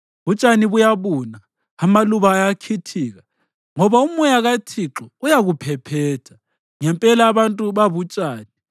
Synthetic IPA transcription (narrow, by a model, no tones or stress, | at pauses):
βut͡ʃʼaniβujaβuːnaː | maluβaːjakʰitʰiːɣa | ŋɔβaumujaɣatʰiǁɔujaɣupʰɛpʰɛːtʰḁ | ŋɛmpʼɛlaːβantʼuβaβut͡ʃʼaːni